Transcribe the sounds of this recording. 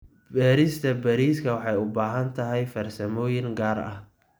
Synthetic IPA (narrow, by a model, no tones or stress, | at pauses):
bɛːɾɪst̪ʰɐbɐɾiːskʰɐwɑħɑjʊbaːɦɐnt̪ʰɐɦɛjfɐrsɐmɔːjɪŋɡaːrɐ̰h